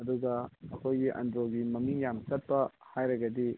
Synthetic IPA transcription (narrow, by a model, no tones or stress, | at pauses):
ɐduɡɐɐkʰojɡiʔɐ̰ndɾoɡimɐmiŋjamsɐt̚pɐhajɾɐɡɐdi